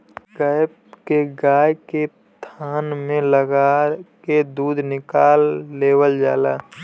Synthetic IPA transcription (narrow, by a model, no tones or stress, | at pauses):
ɡəjpkeɡaːjke | t̪ʰaːnmẽləɡaked̪uːd̪ʱnɪkaːlːeːwəld͡ʒaːlaː